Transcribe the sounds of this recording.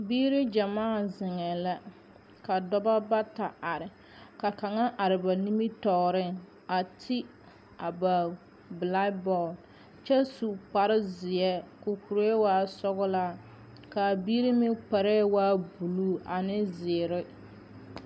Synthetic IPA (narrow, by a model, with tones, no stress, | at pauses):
biː˦ɾɪ˦d͡ʒa˨maː˦˨zɪ˨ŋɛ˨la˦ | ka˨dɔ˦ba˦ba˦ta˨a˨ɾɪ˨ | ka˨ka˨ŋa˦ʔa˨ɾɪ˨ba˨ni˦mi˦tɔː˨ɾɪ˦˨ŋ | a˨tʰi˦ | a˨ba˨ | bla˦bɔ˦˨l | t͡ʃɛ˦su˨k͡pa˨ɾɪ˦zɪ˨jɛ˦kʊ˨ku˨ɾo˦e˦waː˦sɔ˦ɣʊ˦laː˦ | ka˨biː˦ɾi˦mɪ˦k͡pa˨ɾɛː˦waː˦bu˨luː˦˨ʔa˨nɪ˦zɪ˨ɾɪ˦